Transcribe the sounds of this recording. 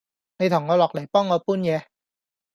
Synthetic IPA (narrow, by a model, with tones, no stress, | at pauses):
ne˨˧jt̪ʰʊ˨˩ŋːɔː˨˧lɔː˨˩k̚lɐ˨˩jpɔː˥ŋːɔː˨˧puː˥njɛː˨˧